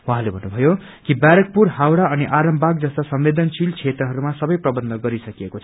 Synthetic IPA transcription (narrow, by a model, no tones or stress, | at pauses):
wɦãlebʱʌnːubʱʌjo | kibjaɾʌk̚purɦawɽaʌniʔaɾʌmbʱaɡ̚d͡zʌst̪asʌmːed̪ʌnt͡sʰilt͡sʰet̪ɾrʌɦʌɾumasʌbʌjprʌbʌnd̪ʱʌɡʌɾisʌkiekot͡sʰʌ̥